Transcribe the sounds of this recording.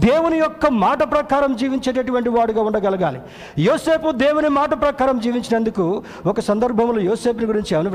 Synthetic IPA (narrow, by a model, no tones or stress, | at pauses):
d̪eːwunijɔkːɐmaːʈɐpɾɐkaːɾɐmd͡ʒiːʋiɲt͡ʃeːʈ̬ɐʈuʋɐɳʈiʋaːɽuɡaːuɳɖɐɡɐlɐɡaːli | joːseːpud̪eːwunimaːʈɐpɾɐkaːɾɐmd͡ʒiːʋiɲt͡ʃinɐnd̪uku | ɔkɐsɐnd̪ɐɾbʱɐmloːjoːseːpniɡuɾiɲt͡ʃiɐʋɐni